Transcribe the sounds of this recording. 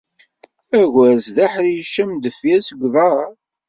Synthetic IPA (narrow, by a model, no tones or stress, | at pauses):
æʝʷæɾsðaħðjəʃæmd̪əfjæsəɡʷðˤɑɾ